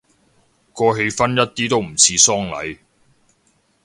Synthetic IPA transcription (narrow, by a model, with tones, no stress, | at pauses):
kɔː˧ɦe˧jfɐ˥njɐ˥t̚t̪iː˥t̪o˥wm̩˨˩t͡sʰiː˨˧sɔː˥ŋlɐ̰˨˥j